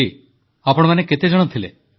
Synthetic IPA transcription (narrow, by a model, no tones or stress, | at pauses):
i | apɔɽ̃ɔmaneket̪ed͡ʒɔɽ̃ɔt̪ʰile